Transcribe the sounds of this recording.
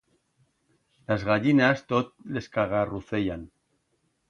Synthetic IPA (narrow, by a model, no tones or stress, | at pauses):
lazɣaʎinast̪ot̪̚leskaɣaruθejan